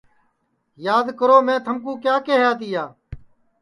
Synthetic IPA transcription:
jaːd̪kəɾoːmẽːt̪ʰəmkũːkjaːkeːɦjaːt̪̬iːjaː

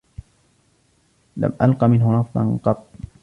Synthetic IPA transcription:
la̰mʔalqɑmɪnɦʊnɑfˤd̪ˤɑ̰nqɑt̪ˤː

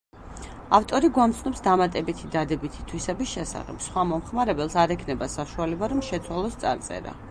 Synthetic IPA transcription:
aft̪ʼɔɾiɡwamt̪sʰnɔpsd̪amat̪ʼɛbit̪ʰid̪ad̪ɛbit̪ʰi̥t̪ʰwisɛbisʃɛsa̰χɛ̰bsχwamɔmχmaɾɛbɛlˠsaɾɛkʰnɛbasaʃualɛbaɾɔmʃɛt̪sʰwalˠɔst̪sʼa̰ɾt̪sʼɛ̰ɾa̰

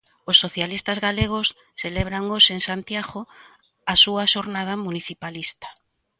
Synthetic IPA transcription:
osːoθjalist̪azɣaleɣ̞osː | eleβɾaŋoseŋsant̪jaɣo | asuaʃoɾnað̞amuniθipalist̪ḁ

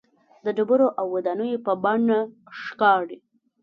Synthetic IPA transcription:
d̪əɖəbəɾoʔawːad̪anəjopəbaɳa | ʂkɑɽi

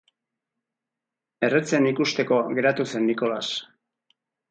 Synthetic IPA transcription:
e̞re̞t͡se̞nikust̪e̞ko̞ɣe̞ɾat̪use̞nːiko̞las

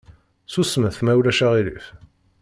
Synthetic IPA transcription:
susməθmæwlæʃæʁilḭf

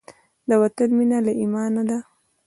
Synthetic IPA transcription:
d̪awat̪anminalaʔimɑnad̪a

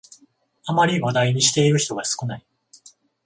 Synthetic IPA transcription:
amaɾʲiβad̪aiɲ̟iɕi̥t̪e̞iɾɯ̟çi̥t̪o̞ɡasɨ̥kɯ̟nai

